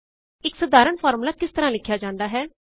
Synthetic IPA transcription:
ɪksəd̪aːɾəɳpʰaːɾmlaːkɪst̪əɾãːlɪkʰːjaːd͡ʒãːnd̪aːɦɛː

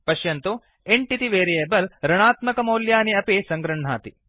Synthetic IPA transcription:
pɐʃjɐnt̪o | eɳʈit̪iʋeːɾijeːbɐlɾɐɳaːt̪mɐkɐmɐːljaːniɐpesɐŋɡɾɐɳ̤a̰ːt̪i

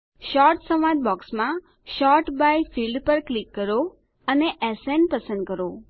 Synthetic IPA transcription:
ʃɔɾʈsəmãd͡ʒ̪̚bɔksmã | ʃɔɾʈbajfilɖpəɾklikːəɾo | əneʔɛsɛn̚pəsə̃nd̪̚kəɾo

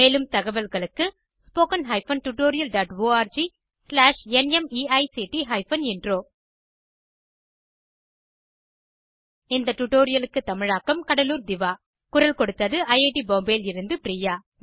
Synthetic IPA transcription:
meːlɯmt̪ɐɣɐʋɐlɣɐɭɯkːɯ | spoːkɐnɦɐɪfɐnʈʊʈoːɾɪjɐlɖaːʈʋoːaːɾd͡ʒi | slaːʂɛnɛmiːɐɪsiʈiɦɐɪfɐnɪndroː | ɪnd̪ɐʈʊʈːoːɾɪjɐlɯkːɯt̪ːɐmɪɻaːkːɐmkɐɽɐluːɾd̪ɪʋaː | kʊɾɐlkɔɽɯt̪ːɐðɯɐjɐːʈiboːmbeːlɪɾɯnd̪ɯpɪɾiːjaː

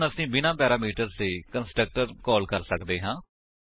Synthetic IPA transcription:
nəsĩːbɪnãːpɛːɾaːmiːʈəɾzt̪eːkənsʈɾək̚ʈəɾkɔːlkəɾsəkd̪eːɦãː

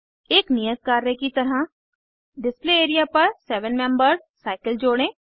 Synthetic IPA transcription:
eːknijək̚kaːɾekit̪ɐɾɦa | ɖɪspleeːɾijapɐɾsɛːʋənmɛ̃ːmbəɾ | saːɪkəld͡ʒoːɽ̃ẽː

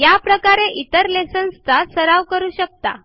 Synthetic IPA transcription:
japɾəkaɾeʔit̪əɾlesə̃ñst̪ʰasəɾaʋkəɾuːɕək̚t̪a̰

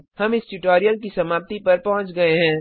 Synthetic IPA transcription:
hɐmɪsʈʊʈoːɾijəlk̬isɐmaːp̚t̪ipɐɾpɐɦʊ̃t͡ʃɡɐeɦɛ̃ː

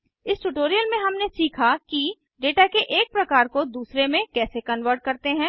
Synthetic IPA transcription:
ɪsʈuʈoːɾijəlmẽɦɐmnesiːkʰaki | ɖeːʈakeʔeːk̚pɾɐkaːɾkod̪uːsɾemẽkɛːsekɐnʋəɾʈ̚kɐɾt̪eɦɛ̃ː

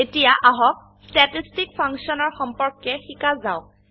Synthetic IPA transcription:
etijaʔaɦɔk̚ | statistikpʰaŋsiɔnɔɹxɔmpɔɹkːɛxikazaʊ

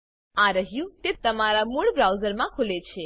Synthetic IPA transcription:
aɾəɦjũt̪et̪əmaɾamuɭbɾawzəɾmãkʰulet͡ʃʰe

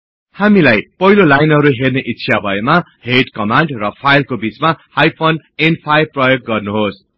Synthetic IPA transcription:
hamilajpʌɦilolajnɦʌɾuɦerneʔitːɕʰijabʱʌema | heʈkʌmaɳɖrʌpʰajlkobit͡smahajpʰonenpʰajprʌjok̚ɡʌrnuɦos

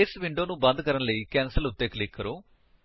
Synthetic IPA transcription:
sʋiɳɖoːnubɐnd̪ʱɐkɐɾɐnɐlijkɛːnsɐlut̪ːeːklikːɐɾu

